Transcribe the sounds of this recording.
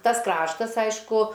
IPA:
ˈtɐs ˈkrɑːʃtɐs ˈɐɪʃkʊ

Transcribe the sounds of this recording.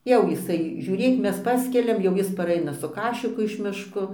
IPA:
jɛʊ jɪˈsɐɪ ʒʲuːˈrʲeːk ˈmʲɛs ˈpɑːsʲkʲɛlʲɛm jɛʊ ˈjɪs pɐˈrɐɪnɐ sʊ ˈkɑːʃʲɪkʊ ɪʃ ˈmʲɪʃkoː

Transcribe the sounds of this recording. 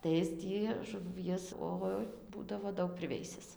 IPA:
tɐɪ ˈɪs tʲiː ʒʊˈʋʲiɛs ˈoːɪ ˈbuːdɐʋoː ˈdɐʊk pʲrʲɪˈʋʲɛɪsʲɪs

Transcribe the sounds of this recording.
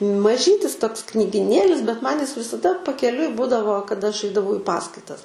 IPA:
mɐˈʒʲiːtʲɪs ˈtoːks knʲiːɡʲɪˈnʲeːlʲɪs bʲɛt mɐn jɪs ʋʲɪsɐˈdɐ pɐkʲɛˈlʲʊɪ ˈbʊdɐʋoː kɐˈdɐ ɐʃ ˈɐɪdɐʋɐʊ ɪ ˈpɑːskɐɪtɐs

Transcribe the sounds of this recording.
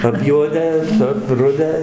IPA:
ɐpʲˈjuɔdʲæː ɐpˈrʊdʲæː

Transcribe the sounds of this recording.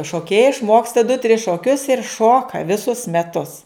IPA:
ʃoːˈkʲeːjɛɪ ɪʃˈmoːkstɐ dʊ tʲrʲɪs ʃoːˈkʲʊs ɪr ˈʃoːkɐ ʋʲɪˈsʊs mʲɛˈtʊs

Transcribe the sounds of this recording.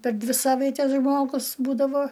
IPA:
pʲɛr ˈdʲʋʲɪ ˈsɑːʋɐɪtʲɛs ˈʒmoːɡʊs ˈbuːdɐʋoː

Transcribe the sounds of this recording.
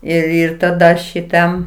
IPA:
ɪr ˈɪr tɐˈdɐ ʃʲɪˈtɐm

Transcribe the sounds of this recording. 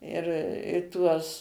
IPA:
ɪr ɪ ˈtuɔs

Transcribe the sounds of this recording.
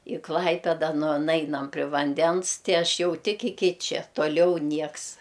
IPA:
ɪ ˈklˠɐɪpʲɛdɐ nʊ ˈnɐɪnɐm pʲrʲɪ ʋɐnʲˈdʲɛns ˈtʲɪ ˈɐʃ ˈjɛʊ ˈtʲɪk ɪˈkʲɪ ˈt͡ʃʲɛ toːˈlʲɛʊ ˈnʲiɛks

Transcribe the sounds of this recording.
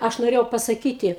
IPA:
ˈɐʃ noːˈrʲeːjɛʊ pɐsɐˈkʲiːtʲɪ

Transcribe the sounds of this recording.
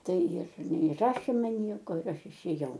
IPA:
ˈtɐɪ jɪr nʲɛɪˈrɑːʃʲeː ˈmɐn ˈnʲiɛkoː ɪr ˈɐʃ ɪʃʲeːˈjɛʊ

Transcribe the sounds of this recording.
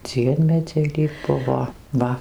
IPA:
ˈd͡zʲiɛmʲɛd͡zʲɛɪ lʲiːk ˈbʊʋoː ˈʋɐ

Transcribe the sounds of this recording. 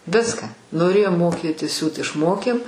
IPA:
ˈʋʲɪskɑː noːˈrʲeːjoːm ˈmoːˌkʲeːtʲɪ ˈsʲuːt ɪʃˈmoːkʲeːm

